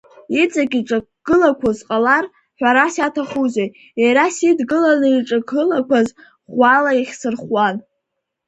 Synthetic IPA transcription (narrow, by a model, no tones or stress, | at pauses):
it͡sʼakʲʼiʈ͡ʂʼa | ɡɨlakʷʰazqʼalar | ħᶣʷaɾasatʰaχuze | jaɾasidɡɨlanɨiʈ͡ʂʼaɡʰɨlakʷʰaz | χʷalaiχʲsɨrχwan